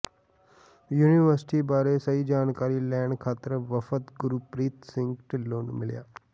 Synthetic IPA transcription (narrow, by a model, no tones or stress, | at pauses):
juːniʋəɾsʈibaːɾesəɦid͡ʒaːnkaːɾilɛːɳɖkʰaːt̪əɾʋəfət̪ɡʊɾupɾiːt̪sɪ̃ŋɡʈloːnmɪlja̰ː